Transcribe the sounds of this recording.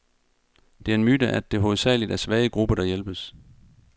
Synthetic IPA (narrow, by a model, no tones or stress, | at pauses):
d̥e̝æɐe̝nmyd̥əʔæd̥e̝ɦoːð̩ˠsɛ̰ɪlid̥æɐsʋɛːɪəɡ̥ʁub̥ɐɾ̥ɑ̈jelb̥əs